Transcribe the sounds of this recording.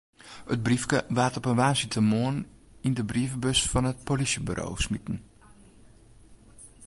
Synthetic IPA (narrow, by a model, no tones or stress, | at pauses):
ət̚brifkəʋaːtɔpənʋaːnsitʰəmoən | indəbriəvəbøsfɑnət̚polisjəby̰rʔo̰ːsmitn̩